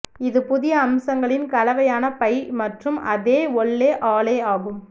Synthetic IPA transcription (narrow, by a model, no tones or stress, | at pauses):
ɪðɯpʊðɪjɐːmsɐŋɡɐɭɪnkɐlɐʋɐjaːnɐpɐɪjmɐʈrɯmɐðeːɔɭːeːʔaːleːaːɣɯm